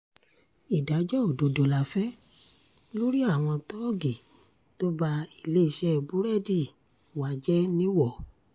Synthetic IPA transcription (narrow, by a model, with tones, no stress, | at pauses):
i˨da˨˦d͡ʒɔ˦o˦˨do˨do˧la˧fɛ˦ | lo˦ɾi˦a˦˨w̃ɔ̃˧tɔ˦˨ɡi˨ | to˦ba˧i˧˨le˦i˦˨ʃɛ˦˨bu˨˦ɾɛ˦di˦˨ | wa˨˦d͡ʒɛ˦nĩ˦wɔ˦˨